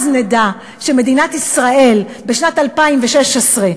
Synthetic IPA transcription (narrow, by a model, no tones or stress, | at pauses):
zneda | ʃeme̞dinatisʁae̞lbeʃnatalpaimveʃeʃesʁe